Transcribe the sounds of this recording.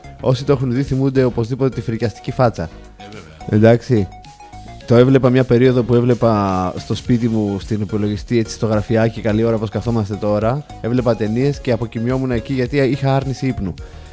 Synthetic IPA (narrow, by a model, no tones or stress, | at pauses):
o̞sit̪oe̞xunðiθimund̪e̞o̞po̞zðipo̞t̪e̞t̪ifɾicɐst̪i̥cifɐt͡sɐ | e̞̰nd̪ɐksi | t̪oe̞vle̞pɐmɲɐpe̞ɾio̞ðo̞pue̞vle̞pɐst̪o̞spit̪imust̪inipolo̞ʝist̪ie̞t͡si̥st̪o̞ɣɾɐfiɐcikɐlio̞ɾɐpo̞skɐθo̞mɐst̪e̞t̪o̞ɾɐ | e̞vle̞pɐt̪e̞nie̞sce̞ɐpo̞cimɲo̞munɐeciʝɐt̪iixɐɐɾnisiipnu